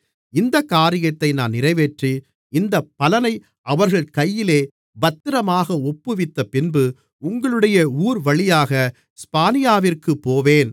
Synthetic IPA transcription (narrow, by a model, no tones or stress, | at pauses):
ɪnd̪ɐkːaːɾɪjɐt̪ːɐɪnaːnːɪrɐɪʋeʈri | ɪnd̪ɐpːɐlɐnɐɪ | ʔɐʋɐɾɣɐɭkɐjːɪleː | bɐt̪ːɪɾɐmaːɣɐɔpːɯʋɪt̪ːɐpɪnbɯ | ʊŋɡɐɭɯɽɐjɐuːɾʋɐɭɪjaːɣɐ | spaːnɪjaːʋɪrkɯpːoːʋeːn